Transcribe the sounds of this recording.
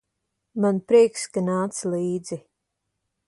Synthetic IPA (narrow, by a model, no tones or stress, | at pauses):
manpɾiɛkskanaːt̪sliːd̪zi